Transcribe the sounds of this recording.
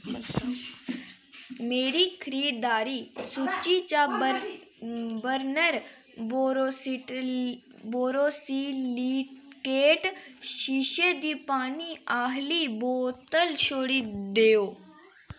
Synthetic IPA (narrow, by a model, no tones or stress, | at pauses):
meːɾiːkʰəɾiːɽd̪aːɾiːsut͡ʃit͡ʃa | bəɾnəɾ | boːɾoːsiːliːkeːʈʃiʃed̪iːpaːniaːɦliboːt̪əlʃoːɽid̪eːoː